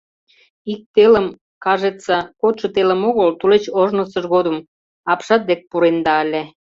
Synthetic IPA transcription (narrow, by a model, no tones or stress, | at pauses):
ik̚t̪eləm | kɑʒet͡sɑkot̪ʃə̆t̪eləmoɣəlt̪ulet͡ɕoʒnəsəʒɣod̪əm | ɑpʃɑt̪̚d̪ek̚puɾend̪ɑəlʲe